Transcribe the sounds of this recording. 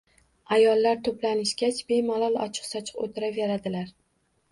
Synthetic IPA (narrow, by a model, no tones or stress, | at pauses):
ajɒlːaɾt̪ʰoplanɪʃɡʲat͡ʃbe̞malˠɒlˠɒ̰t͡ʃʰɨ̥qsɒt͡ʃʰɨ̥qo̰t̪ʰɪɾave̞ɾad̪ɪlaɾ